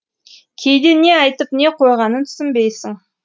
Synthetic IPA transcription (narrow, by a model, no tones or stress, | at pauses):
kʲʰejd̪ene̞ɑjt̪əpne̞qʰo̞jʁɑnənt̪ʰʏ̥sɪmbe̞jsɪŋ